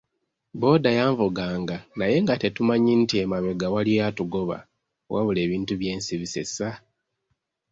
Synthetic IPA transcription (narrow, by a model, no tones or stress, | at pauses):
bo̞ːdajaːɱvuɡaːŋɡanaje̞ŋɡate̞tumaɲintie̞maβe̞ɡawaliojatuɡo̞βa̰ | wʔa̰βule̞ːβiːntuβje̞ːnsiβise̞̰sa